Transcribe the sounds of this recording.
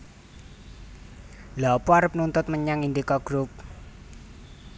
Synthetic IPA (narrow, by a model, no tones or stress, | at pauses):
lapuaɾəp̚nunt̪ʊt̪̚məɲaŋind̪ikɔɡ̥ɾup̚